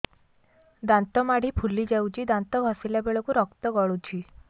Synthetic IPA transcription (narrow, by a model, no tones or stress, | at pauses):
d̪ant̪ɔmaɽ̤ipʰulid͡ʒawt͡ʃʰid̪ant̪ɔbʱɔsilabeɭɔkuɾɔkt̪ɔɡɔɭut͡ʃʰi